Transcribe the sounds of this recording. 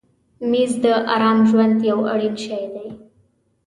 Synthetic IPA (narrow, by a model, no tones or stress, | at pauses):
miːzd̪əʔaɾamʑʋənd̪jəwəɽinɕajd̪ej